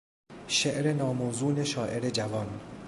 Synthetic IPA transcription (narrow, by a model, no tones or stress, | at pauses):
ʃeʔɾe̞nɒːmoːzuːne̞ʃɒːʔe̞ɾe̞d͡ʒævɒːn